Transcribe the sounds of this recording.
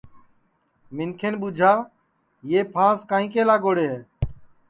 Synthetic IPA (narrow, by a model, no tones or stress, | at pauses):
mɪnkʰeːnɓud͡ʒʱaː | jeːpʰãːskaːĩːkeːlaːɡoːɽeːɦeː